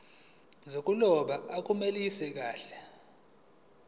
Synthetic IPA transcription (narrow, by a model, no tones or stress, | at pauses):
zok̬ʼulɔɓaak̬ʼumelisɛk̬aːɬɛ